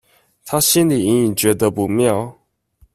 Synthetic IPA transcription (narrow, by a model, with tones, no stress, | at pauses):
t̪ʰa˦ɕi˦nli˨˩i˧˥ŋi˨˩ŋt͡ɕɥɛ˨˧˥d̪ə˦pu˧˦mjɑ˥˧ʊ